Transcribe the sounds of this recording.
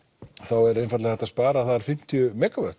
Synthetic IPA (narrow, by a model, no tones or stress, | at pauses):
θawɛɾejnfat̪lɪθɛt̪aspaːɾaθaðaɾ̥fɪm̥t̪ʰiʏmɛːkavœht̪